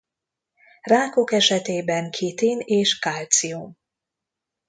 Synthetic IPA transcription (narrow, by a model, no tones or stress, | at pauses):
raːko̞kɛʃɛt̪eːbɛŋkʰit̪ineːʃkalt̪sium